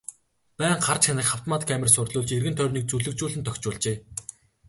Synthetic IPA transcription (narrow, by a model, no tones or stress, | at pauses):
pæːɴɢart͡ɕxanɘ̆kχaw̥t̪maːt̪kʰæmʲɪ̆rsʊrɮʊːɮt͡ɕerɣɘ̆nt̪ʰœrniːk̚t͡suɮɵ̆k̚t͡ɕuːɮɘ̆nt̪ʰœkʲt͡ɕʊːɮt͡ɕeː